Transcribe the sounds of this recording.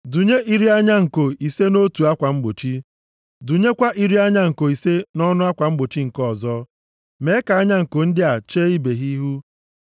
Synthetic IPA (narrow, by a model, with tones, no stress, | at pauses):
du˨ɲe˦ʔi˦ɾi˦a˦ɲa˦ŋ̩˨ko˨i˨se˦no˦tu˨a˦kʷa˨ŋ͡m̩˦ɡ͡bo˨t͡ʃi˦ | du˨ɲe˦kʷa˦ʔi˦ɾi˦a˦ɲa˦ŋ̩˨ko˨i˨se˦nɔ˦nʊ˦a˦kʷa˨ŋ͡m̩˦ɡ͡bo˨t͡ʃi˦ŋ̩˨kɔ˦˨zɔ˦ | me˨˦ka˨a˦ɲa˦ŋ̩˨ko˨n̩˦dɪ˦a˨t͡ʃeː˦i˦be˨ɦi˦ɦu˦